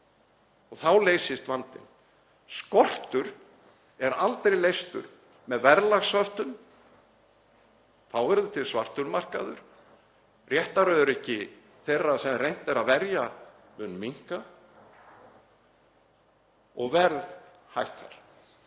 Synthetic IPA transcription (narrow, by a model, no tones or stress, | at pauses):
ɔɣθawleːjsɪst̪vant̪ɪ̰n | skɔl̥t̪ʏɾ | ɛɾalt̪ɾejlejst̪ʏ̰ɾ | mɛðvɛɾlaɣsvœfht̪ʏm | θawɛɾðʏt̪ʰɪlsvar̥t̪ʏɾmar̥kaðʏɾ̥ | rjɛht̪aɾœðʏɾɛhcɪ | θerːasɛmrejn̥t̪ɛɾaðvɛɾja | ʏnmiŋ̥ka | ɔɣvɛɾð | hajhkaɾ̥